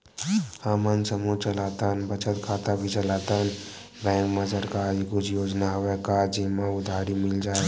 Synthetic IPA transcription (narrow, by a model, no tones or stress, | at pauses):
hamənsəmut͡ʃəlaːt̪ənbət͡ʃət̪kʰaːt̪abʱit͡ʃəlaːt̪ən | bɛ̃ːŋkməd͡ʒəɾkaikʊd͡ʒjoːd͡ʒnaɦəwekad͡ʒimãʊd̪ʱaːɾimɪld͡ʒaːe